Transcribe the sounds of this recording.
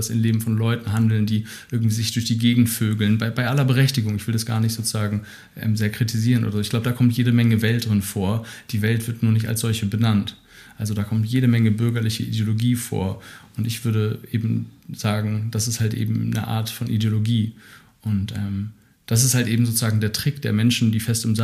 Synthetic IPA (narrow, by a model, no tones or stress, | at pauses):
asɪ̰mleːbm̩fɔnlɔʏtn̩ɦandl̩ndiː | ʔɪɐɡŋ̩tv̥iːzɪçd̥ʊɐçd̥iːɡeːɡŋ̩tføːɡl̩nbaɪbaɪʔalɐbəʁɛçtɪɡʊŋɪçv̥ɪldasɡ̥a̰ːɐnɪçtz̥oːt͡suzaːɡŋ̩ | ʔɛ̰ːmzeːɐkʁ̥itʰiziːʁənʔo̰ːdɐzoːɪçɡ̥laʊbədaːkʰɔmtjeːɾəmɛŋəvɛlt̚d̥ʁɪnfoːɐd̥iːvɛltv̥ɪɐtnuːɐnɪçta̰lsz̥ɔlçəbənant | ʔalzodaːkʰɔmtjeːɾəmɛŋəbʏɐɡɐlɪçəʔḭdjoloɡiːfo̰ːɐʔʊntɪçv̥ʏɐɾəʔeːbm̩z̥aːɡŋ̩d̥asɪsthaltʔḛːbm̩nə̰ʔa̰ːɐtfɔnʔḭdjoloɡiː | ʔʊntʔɛːm | d̥as̬ɪsthaltʔeːbm̩zoːt͡suz̥aːɡŋ̩deːɐtʁ̥ɪkd̥eːɐmɛnʃn̩diːfɛstɪmz